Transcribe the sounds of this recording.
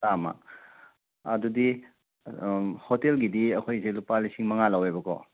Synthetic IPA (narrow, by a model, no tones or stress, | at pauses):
tama̰ | ɐ̰dudi | hotelɡidiɐkʰojselupalisiŋmɐŋalɐwejbɐkɔ̰